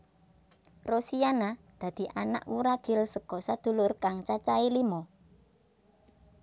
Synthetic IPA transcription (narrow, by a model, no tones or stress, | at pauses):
rosianad̪̥ä̤d̪̥i̤ʔana̰ʔwuɾaɡ̥ɪlsəɡ̥ɔsad̪̥ṳlʊrkaŋt͡ʃat͡ʃailimɔ